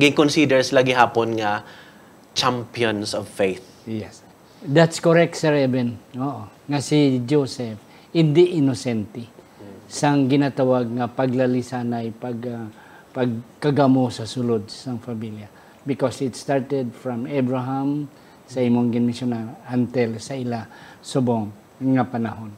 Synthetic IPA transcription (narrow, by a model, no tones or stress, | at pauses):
ɐɡɪŋkonsid̪ɛɹslaɡɪɦaːponŋɐ | t͡ʃampijonsɔvfejθ | jɛs | d̪at̪skoɹɛk̚t̪sɛɹɛvɛnoʔo | ŋɐsid͡ʒosɛf | hɪnd̪ɪʔɪnosɛnt̪ɛ | sɐŋɡɪnat̪awaɡ̚ŋɐpɐɡlɐlisanɐjpɐɡa | pɐɡ̚kɐɡamosɐsʊlod̪̚sɐŋfɐmilja | bɪkosɪt̪st̪aɹt̪ɛd̪̚fɹɐmɛbɹaɦam | sɐimoŋɡɪnmɪsjʊnaant̪ɛlsɐɪlasʊboŋ | ŋɐpɐnaɦon